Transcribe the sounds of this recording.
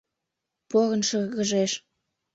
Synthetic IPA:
poɣə̆nʃəɣə̆ʒeʃ

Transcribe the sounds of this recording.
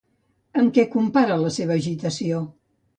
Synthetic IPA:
əŋkɛkumpaɾələseβ̞əːʒit̪əsio

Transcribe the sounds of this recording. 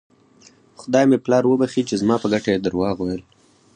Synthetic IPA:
xʊd̪ɑjmeplɑɾwəbaxit͡ʃezmɑpəɡaʈajed̪əɾwɑɣwajəl

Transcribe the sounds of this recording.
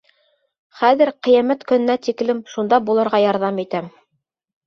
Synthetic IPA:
χæðɘɾqɘ̆jæmæt̪kɵ̆nɘ̆næt̪iklɘmʃund̪ɑbulˠɤ̆ɾʁɑjɑɾðɑmit̪æm

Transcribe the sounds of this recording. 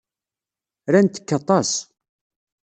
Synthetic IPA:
ɾænt̪ə̥kːɑt̪ˤɑs

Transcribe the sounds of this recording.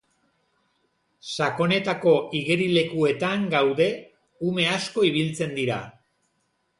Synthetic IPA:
sako̞ne̞t̪ako̞iɣeɾile̞kue̞t̪aŋɡawðe̞ | ume̞asko̞iβ̞ilt͡se̞nd̪iɾa

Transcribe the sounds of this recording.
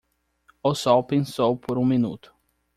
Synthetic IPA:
ʊsɔwpẽsowpʰoɾũmĩnṵt̪ʊ̥

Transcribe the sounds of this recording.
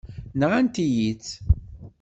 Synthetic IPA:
nʁænt̪ijit͡sː

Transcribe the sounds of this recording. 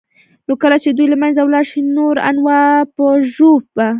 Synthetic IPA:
nokəlat͡ʃed̪ujlamanzawlɑɾʃinoɾa̰nwɑpəʒob̚a

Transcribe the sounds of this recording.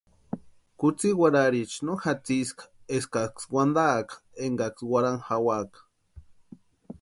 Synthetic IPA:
kut͡siwaɾaɾit͡ʃnoxat͡siskḁeskakswand̪akḁeŋɡakswaɾaŋxawakḁ

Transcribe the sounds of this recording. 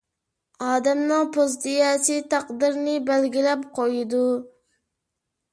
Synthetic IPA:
ɑːd̪ɛmnɨŋpʰozd̪ijɛt͡ʃʰɪt̪ʰɑqd̪ɨɾnɪbælɡʲilɛpqʰojɪd̪u

